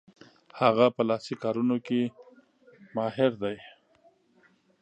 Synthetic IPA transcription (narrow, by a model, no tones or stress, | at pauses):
haɣapəlɑsikɑɾunoke | mɑɦɪɾd̪aj